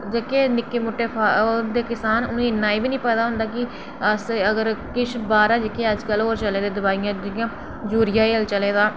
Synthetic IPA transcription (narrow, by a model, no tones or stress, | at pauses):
d͡ʒekeːnɪkːeːmʊʈːeːpʰad̪eːkɪsaːnʊnẽːɪnːaːiːbiːnĩːpɛːd̪aːɦʊ̃nd̪aːkɪ | əsəɡəɾkɪt͡ʃʰbaːɾaːd͡ʒɪkeːəd͡ʒkəloːɾt͡ʃəleːd̪eːd̪ʊbaːijãːd͡ʒɪkːãː | d͡ʒuːɾɪjaːeəlt͡ʃəleːd̪aː